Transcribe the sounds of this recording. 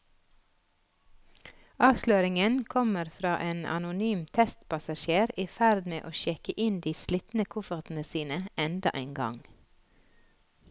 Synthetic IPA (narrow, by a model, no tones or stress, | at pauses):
ʔɑːʋʃløːɾɪŋənkʰɔməɾfɾɑːʔeːnɑ̰nʊnyːmt̪ʰɛst̪pʰɑsɑʃeːɾiːfæɾd̪mḛːʔoːʃɛkəʔɪnd̪iːslit̪n̩əkʰʊfəʁt̪n̩əsiːnəɛnd̪ɑ̰ʔæɪnɡɑ̰ŋ